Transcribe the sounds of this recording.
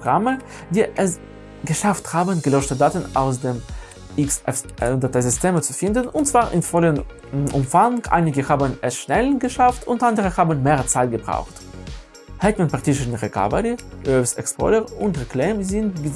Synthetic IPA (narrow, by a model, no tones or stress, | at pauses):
oɡʁamə | d̥iːʔɛs | ɡəʃafthaːbənɡəlɔʃtədaːtn̩a̰ʊs̬dem | ɪksɛfdatazɪsteːmət͡sufɪndənʊntt͡sv̥aːʁʔɪ̰nfɔlən | ʔʊmfaŋkʔa̰ɪnɪɡəhaːbənɛsʃnɛlɡəʃaftʊntʔandəʁəhaːbən̩meːʁt͡saɪt̚ɡ̥əbʁa̰ʊxt | hɛtmanpaʁtɪʃn̩ʁekʰa̰vɐɾiʔøsɛ̰kspʰɔ̰ləʁʊntʁekleːmzɪntb